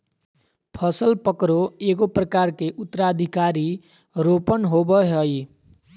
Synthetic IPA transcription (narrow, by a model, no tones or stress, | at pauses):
pʰʌsʌlpʌkɾoeɡoprʌkarkeʔut̪ːɾad̪ʱikaɾi | ɾopʌnɦobʌɦʌj